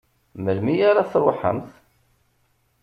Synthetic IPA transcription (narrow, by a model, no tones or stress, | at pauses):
məlmijaɾaθɾˤo̰ħə̰mθ